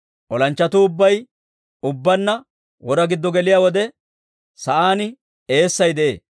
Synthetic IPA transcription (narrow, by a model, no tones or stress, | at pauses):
ʔɔlɐnt͡ʃːɐt̪ʊʊbːɐj | ʊbːɐnːɐ | wɔɾɐɡɪd̪ːɔɡɛlɪjaːwɔd̪ɛ | sɐʔaːnɪ | e̞ːsːɐjd̪ɛʔḛː